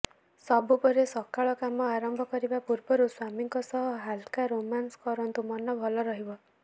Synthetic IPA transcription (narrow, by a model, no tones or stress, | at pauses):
sɔbupɔɾesɔkaɭɔkamɔaɾɔmbʱɔkɔɾibapuɾbɔɾuswamiŋkɔsɔɦɔɦalkaɾomanskɔɾɔnt̪umɔnːɔbʱɔlɔɾɔɦibɔ